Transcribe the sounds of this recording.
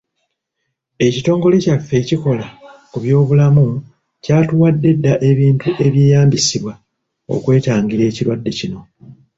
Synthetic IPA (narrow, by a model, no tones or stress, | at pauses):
e̞cito̞ːŋɡo̞lecafːe̞ciko̞lakuβjo̞ːβulamu | caːtuwadːe̞dːaʔe̞βiːntuʔe̞βje̞ːjaːmbisiβwa | o̞̰kwe̞ːtaːŋɡiɾe̞ːciɾwadːe̞cino̞